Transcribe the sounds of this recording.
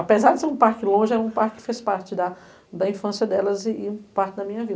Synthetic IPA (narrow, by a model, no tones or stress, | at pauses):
apezaɾd͡ʒɪseɾũpaɾkɪlõʒɪɛɾɐũpaɾkɪ̥fespaɾt͡ʃɪd̪ɐ | d̪ɐĩfɐ̃sjɐd̪ɛlɐziĩpaɾt͡ʃɪd̪ɐmĩɲɐvid̪